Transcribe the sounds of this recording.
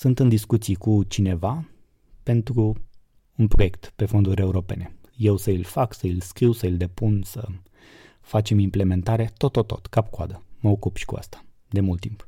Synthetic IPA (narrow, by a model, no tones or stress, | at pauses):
sunt̪ɨnd̪iskut̪sijkut͡ʃine̞va | pe̞nt̪ɾu | unpɾo̞je̞kt̪pe̞fo̞nd̪uɾʲe̞uɾo̞pe̞̰ne̞ | je̞wsəilfaksəilskɾiwsəild̪e̞punsə | fat͡ʃe̞mimple̞me̞nt̪aɾe̞t̪o̞t̪ot̪ːo̞̰t̪kap̚kua̰d̪əməokupʃi̥kua̰st̪ḁ | d̪e̞mult̪ːimp